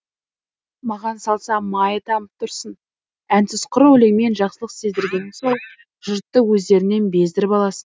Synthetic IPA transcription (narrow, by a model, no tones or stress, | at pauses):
mɑʁɑnsɑlˠsɑmɑjət̪ʰɑməp̚t̪ʰʊɾsən | ænsɪzqʰʊɾwɵleŋme̞nʒɑqsəlˠəqse̞zd̪ɪɾɡʲe̞nɪso̞ɴ | ʒ̥ʊɾt̪ːəwɵzd̪e̞ɾɪne̞nbe̞zd̪ɪɾɪpɑlˠɑsən